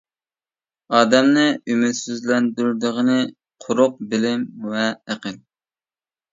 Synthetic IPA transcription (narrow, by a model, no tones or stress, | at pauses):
ɑːd̪ɛmnɨymyt̪syzlɛnd̪yɾd̪əʁənɨ | qʰʊɾʊq̚bɪlɪmwɛæqəl